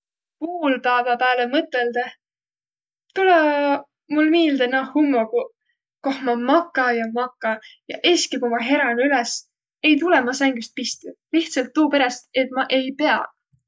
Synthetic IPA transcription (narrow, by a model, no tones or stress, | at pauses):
puːlpæːvɑpæːlemɤt̪ːˑeld̪ɑ | t̪ulɑ | mulmiːld̪enɑhumːoku | kohmɑmɑkːˑɑjɑmɑkːˑɑjɑʔeskipomɑɦe̞ɾɑnylɛs | e̞jt̪̬ulɛmɑsæŋɡ̥yst̪̚pist̪uliht̪sɑlt̪ːuːpe̞ɾest̪e̞t̪̚ˑmɑʔe̞jpe̞ɑ̰